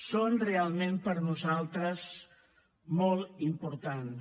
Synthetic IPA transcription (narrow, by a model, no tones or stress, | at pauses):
sonrealˠmẽmpəɾnuzalˠt̪ɾəz | mɔlˠimpuɾt̪an